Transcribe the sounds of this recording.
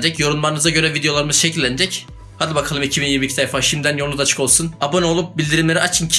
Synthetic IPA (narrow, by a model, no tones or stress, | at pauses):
d͡ʒɛcjo̞ɾunmaɾɯnɯzaɟø̞ɾɛvid̪ejo̞lˠaɾɯmɯzʃecʰilʲːæned͡ʒɛc | had̪ʲibakʰalˠɯmicʰibinjiɾmiːcʰit̪ajfaʃimd̪ænjoud̪at͡ʃʰɯ̥ko̞lˠsunabono̞lˠup̚bilʲd̪iɾimlʲeɾiat͡ʃʰɯncʰ